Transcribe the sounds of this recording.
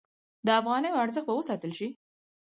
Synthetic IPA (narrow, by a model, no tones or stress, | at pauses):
d̪əafɣɑnəjoaɾzəxt̪̚bawəsɑt̪əlʃi